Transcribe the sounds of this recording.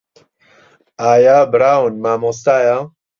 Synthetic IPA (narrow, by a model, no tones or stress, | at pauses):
aːjaːbɾaːwunmaːmost̪aːja